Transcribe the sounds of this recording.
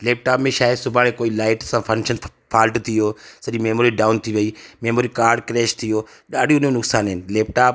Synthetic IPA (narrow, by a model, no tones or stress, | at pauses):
leːp̚ʈaːpmẽʃaːɦɪsʊbʱaːɽ̃ẽkoːilaːɪʈsãpʰɐ̃ŋkʃənpʰaːlʈt̪ʰioːsɐɗimeːmoːɾiɖaːʊnt̪ʰiʋɐiːmeːmoːɾikaːɾɖkɾeːʃt̪ʰioː | ɗaːɖʱiõnõnʊksaːnɦɪnɪ̆leːpʈaːp